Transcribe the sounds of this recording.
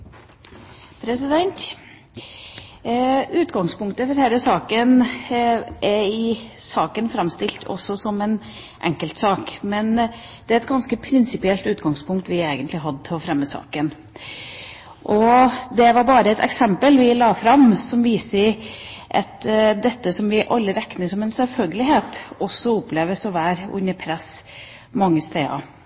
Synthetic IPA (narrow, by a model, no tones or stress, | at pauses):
pʰɾɛsɪd̪ɛnt̪ | ʉːt̪ɡɑŋspʊŋk̚t̪əfɔɾhɛɪləsɑːkən | ʔɛɪsɑːkənfɾɑmst̪ɪlt̪ʰɔ̰sːɔsɔmɛn | ʔɛ̰ŋkəlt̪sɑːkmɛn | d̪̥ɛæɾɛt̪̚ɡɑnskəpʰɾɪnsɪpɪɛlt̪ʉːt̪ɡɑŋspʰʊŋk̚t̪ʋɪeːɡənt̪lɪɦɑd̪ːəɔfɾɛmːəsɑ̰ːkən | ʔɔd̪ɛʋɑɾbɑːɾəɛt̪ɛ̰ksɛmpəlʋɪlɑːfɾɑmsɔmʋiːsəɪʔɑt̪d̪ɛt̪ːəsɔmʋɪʔɑlːəɾɛknəsɔmɛnsɛlfœlɡəlɪɦeːt̪ɔsːɔʊpleːʋəsɔʋæːɾʊ̰nːəpʰɾɛs | mɑŋːəst̪eːɑ̰